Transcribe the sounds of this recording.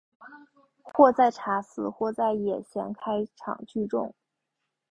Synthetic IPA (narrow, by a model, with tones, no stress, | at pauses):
xwɔ˥˧t͡sa˥˩ɪʈ͡ʂʰa˧˥sɹ̩˨˧˩xwɔ˥˧t͡sa˥˩ɪjɛ˨˩ɕʰjɛ̰˧˥nkʰa˥ɪʈ͡ʂʰɑ̰˨˩ŋt͡ɕy˥˧ʈ͡ʂʊ˥˩ŋ